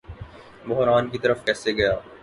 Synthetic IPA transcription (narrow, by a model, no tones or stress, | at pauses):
bʊɦɾaːnkit̪ɐɾəfkɛːseɡɐjaː